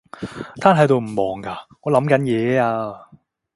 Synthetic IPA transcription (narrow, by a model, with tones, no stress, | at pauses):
t̪ʰaː˥nɦɐ˨˧˥jt̪o˧wm̩˨˩mɔː˨˩ŋkaː˧ŋɔː˨˧lɐ˨˥mkɐ˨˥njɛː˨˧˦aː˧